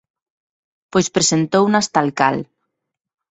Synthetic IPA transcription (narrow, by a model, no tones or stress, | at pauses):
pojspɾesent̪ownast̪alka̰l